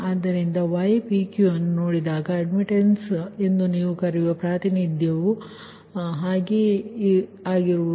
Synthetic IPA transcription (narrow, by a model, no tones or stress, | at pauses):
aːd̪ːɐɾind̪ɐʋɐjpikjuɐnːunoːɽid̪aːɡɐɐɖmiʈense̞nd̪uniːʋukɐɾiʋɐpɾaːt̪inid̪ʱjɐʋu | ɦaːɡe | aːɡiɾuʋu